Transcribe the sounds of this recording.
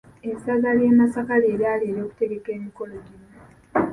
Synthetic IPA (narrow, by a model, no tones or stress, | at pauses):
ensaɡaljeːmasakaleːɾjaleɾo̞ːku̥te̞ɡe̞ke̞ːmiko̞loɟino